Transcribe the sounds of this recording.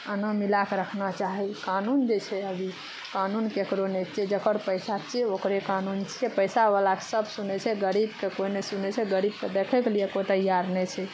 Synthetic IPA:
ənəmilakɾəkʰnat͡ʃaɦikanund͡ʒet͡ʃʰɛəbʱi | kanunkekɾonɛt͡ʃʰɛd͡ʒəkəɾpəjsat͡ʃʰɛokɾekanunt͡ʃʰiɛpəɪsaʋəlake̥səbʱsunɛt͡ʃʰɛɡəɾibkekoinesunɛt͡ʃʰɛɡəɾib̚ked̪ekʰɛkelijekot̪əjaɾnɛt͡ʃʰɛ

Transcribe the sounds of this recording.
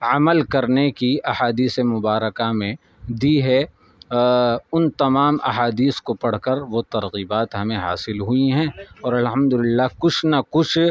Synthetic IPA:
ɐməlkɐɾnekiɐhaːd̪iːsemʊbaːɾəkamẽ | d̪iɦɛ | ʊnt̪ɐmaːmʔɐ̰ɦaːd̪iːskopɐɽ̤kəɾʋot̪ɐɾɣiːbaːt̪ɦɐmẽɦa̰ːsɪlɦuiɦɛ̃ːɔːɾɐlɦɐmd̪ʊlɪlːakʊt͡ʃʰnɐkʊt͡ʃʰ

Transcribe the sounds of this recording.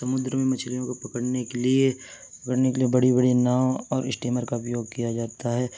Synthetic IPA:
sɐmʊd̪ɾəmẽmɐt͡ʃʰlijõkopɐkəɽnekelie | ɐkəɽnekeliebɐɽibɐɽinaːwɔːɾɪsʈiːməɾkaʊpjoːɡ̚kijad͡ʒaːt̪aɦɛː

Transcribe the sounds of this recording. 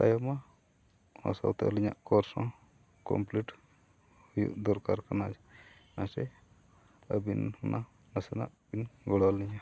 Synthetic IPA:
t̪a̰jɔma | ɔ̰sa̰wt̪ɛ̰liɲaʔkɔɾsɔ̃ | kɔ̰mpliʈ | hujṵʔd̪ɔɾkaɾkanad͡ʒɛnasɛ | əbinhunʔa | nəsɛna̰ʔbinɡɔɽɔliɲa

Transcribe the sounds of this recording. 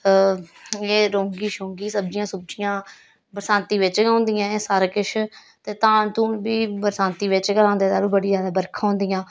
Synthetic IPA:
eːɾõːŋɡiːʃõːŋɡiːsəb̚d͡ʒɪjãːsʊb̚d͡ʒɪjãː | bəɾsãːnt̪iːʋɪt͡ʃɡãːʊnd̪ɪjãːeːsəɾkɪʃ | t̪eːt̪ãːɳt̪uːnbiːbəɾsãːnt̪iːʋɪt͡ʃɡəlãːnd̪eːt̪aːluːbəɽiːzjaːd̪aːbəɾkʰaːɦʊ̃ːnd̪ijãː

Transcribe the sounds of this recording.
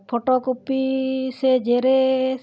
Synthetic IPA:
pʰoʈɔkopised͡ʒeɾe

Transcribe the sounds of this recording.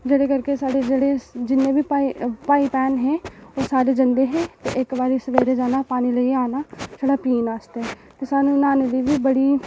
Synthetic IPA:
d͡ʒeɽekəɾkesaːɽed͡ʒəɽed͡ʒɪnːẽbʱipaipaːipɛːnɦɛ̃ːoːsaːɾed͡ʒə̃nd̪eɦɛ̃ːt̪eʔekbaːɾisəʋeːɾed͡ʒaːnapaːniləiaːnasʰoɽapiːnaːst̪eɦɛ | t̪esaːnũnaːnelibʱibəɽi

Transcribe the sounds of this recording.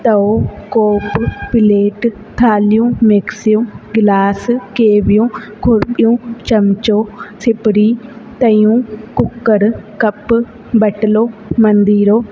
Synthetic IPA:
t̪əoːkoːppɪleːʈ | t̪ʰaːlɪjũːmeksijũːɡɪlaːskeːbjũːɡʰʱʊɾpʼɪjũːt͡ʃəmt͡ʃoːsʰɪpɾiːt̪əjũːkʊkːəɾkəp | bəʈloːmənd̪iːɾoː

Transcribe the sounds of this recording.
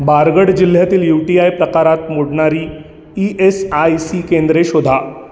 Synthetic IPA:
baɾɡəɽd͡ʑil̤jat̪iːljuʈiajpɾəkaɾat̪moɽɳaɾiː | iʔesajsikend̪ɾeɕod̪ʱa

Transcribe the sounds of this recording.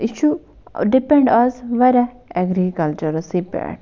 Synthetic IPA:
iʃu | ɖipẽɳɖɔzʋeɾ | ɛɡɾikɐlt͡ʃəɾsipḛɖ

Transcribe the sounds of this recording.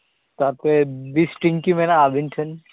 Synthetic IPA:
t̪aɾpebisʈiŋkimɛnaabʱinʈʰən

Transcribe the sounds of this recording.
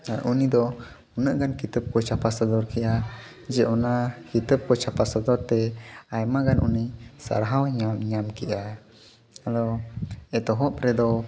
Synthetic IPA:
aɾʔunid̪ɔ | unəʔɡankit̪əp̚kɔt͡ʃʰapasɔd̪ɔɾkɛʔa | d͡ʒɛʔɔnakit̪əp̚kɔt͡ʃʰapasɔd̪ɔɾt̪ɛajmaɡanunisa̰ɾɦawɲamɲamkɛʔa | d̪ɔɛt̪ɔɦɔp̚ɾɛd̪ɔ

